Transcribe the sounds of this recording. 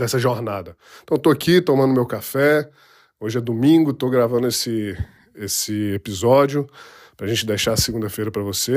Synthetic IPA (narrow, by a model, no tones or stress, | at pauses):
d̪ɛsɐʒoɾnad̪ɐ̃ | t̪ɐ̃w̃t̪oakit̪õmɐ̃nd̪ʊmewkafɛ | oʒɪɛd̪umĩɡʊt̪oɡɾavɐ̃nd̪ʊesɪ | esɪepizɔd͡ʒiʊ | pɾɐʒẽnt͡ʃɪd̪ejʃaɐsiɡũnd̪ɐfejɾɐpɾɐvose